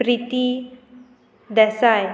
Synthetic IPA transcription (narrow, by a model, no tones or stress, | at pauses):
ɾit̪i | d̪ɛsaj